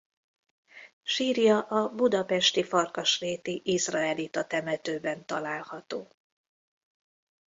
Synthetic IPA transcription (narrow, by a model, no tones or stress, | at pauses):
ʃiːrjɒʔɒbud̪ɒpɛʃt̪ifɒrkɒʃreːt̪iʔizraɛlit̪ɒt̪ɛmɛt̪øːbɛnt̪ɒlaːlhɒt̪oː